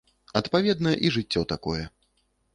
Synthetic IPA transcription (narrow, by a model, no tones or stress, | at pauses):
ɐt̪pavʲɛd̪nɐjɛʔiʐɨt͡sʲːɔwt̪akɔjɛ